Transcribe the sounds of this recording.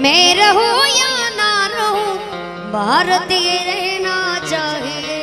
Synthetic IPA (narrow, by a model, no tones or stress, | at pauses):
mẽːɾɐɦujaːnaːɾɐɦũ | bʱaːɾət̪ieɾɛɦɛnat͡ʃaːɦie